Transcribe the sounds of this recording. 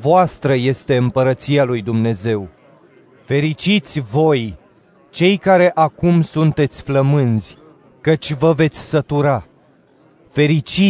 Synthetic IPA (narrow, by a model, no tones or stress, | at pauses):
voast̪ɾəje̞st̪e̞ɨmpəɾət̪sialujd̪umne̞ze̞w | fe̞ɾit͡ʃit̪sʲvo̞j | t͡ʃe̞jkaɾe̞ʔakumsunt̪e̞t̪sʲfləmɨnz̥ʲ | kət͡ʃʲvəve̞t̪sʲsət̪uɾa | fe̞ɾit͡ʃi